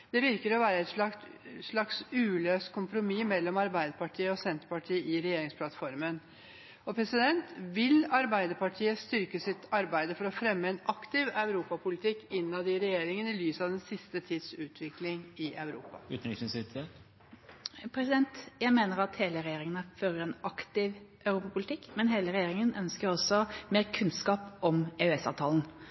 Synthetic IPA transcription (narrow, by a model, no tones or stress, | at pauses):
d̪̥ɛʋɪɾkəɾɔʋæːɾəɛt̪ʂɑʂɭɑksʉːløːst̪kʰʊmpɾʊmimɛlːɔmɑɾbæɪd̪əɾpɑʈʰiːəɔsɛnt̪əɾpɑʈʰiːəʔɪɾɛjeːɾɪŋspʰlɑt̪fɔɾmən | ɔpʰɾɛsɪd̪ɛnt̪ʋɪlɑɾbæɪd̪əɾpɑʈʰiːəst̪ʏɾkəsɪt̪ɑɾbæɪd̪əfɔɾɔfɾɛmːəɛnɑkt̪ɪʋɑʉɾuːpɑpʰʊlɪt̪ʰɪkːɪnːɑd̪ɪɾɛjeːɾɪŋənɪlyːsəɑʋd̪ɛnsɪst̪ət̪ʰiːd̪sʉːt̪ʰʋɪklɪŋɪʔɑʉɾṵːpɑ̰ʉːt̪nɪssɪt̪ʰe | pʰɾɛsɪd̪ɛnt̪jæɪmeːnəɾɑt̪heːləɾɛjeːɾɪŋənəføːɾəɾɛnʔɑkt̪ɪʋʔœʉɾuːpɑpʊlɪt̪ʰɪkːmɛnɦeːləɾɛjeːɾɪŋənœnskəɾɔsɔmeːʁkʰʉnskɑːpɔmeʉɛsɑ̰ːʋt̪ʰɑːln̩